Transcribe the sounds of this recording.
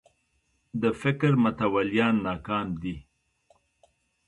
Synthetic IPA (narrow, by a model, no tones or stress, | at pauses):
d̪əfɪkɾmʊt̪awaljɑːnːɑːkɑːmd̪i